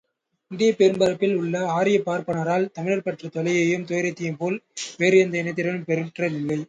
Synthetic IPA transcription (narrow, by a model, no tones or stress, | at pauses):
ɪnd̪ɐjɐpɛɾɯmbɐɾɐpːɪlʊɭːɐaːɾɪjɐpːaːɾpɐɳɐɾaːlt̪ɐmɪɻɐɾpɐʈrɐt̪ɔlɐjɐjɯmt̪ɔjɐɾɐɪt̪ːɪjɯmpoːlʋeːɾɯɛnd̪ɐɪnɐɪt̪ːɪɾɐlmpɛɾɯʈrɐnɪlːɐɪ